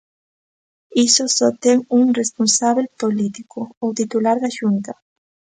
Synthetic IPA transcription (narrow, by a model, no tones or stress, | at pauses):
isosɔt̪eŋuŋresponsaβelpolit̪ikoowt̪it̪ulaɾðaʃunt̪a